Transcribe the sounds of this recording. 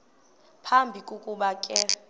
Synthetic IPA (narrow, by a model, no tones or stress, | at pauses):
pʰambʱikʼukʼuɓakʼɛ